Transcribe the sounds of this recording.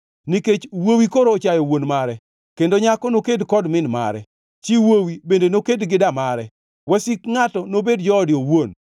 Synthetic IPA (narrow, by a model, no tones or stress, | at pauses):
niket͡ʃwowikoɾoːt͡ʃajɔwonmaɾɛ | kendoɲakɔnokedkɔdmɪnma̰ɾɛ̰ | t͡ʃiwowibendenokedɡɪdamaɾɛ | wɛsikŋatɔnobedd͡ʒɔːdjowon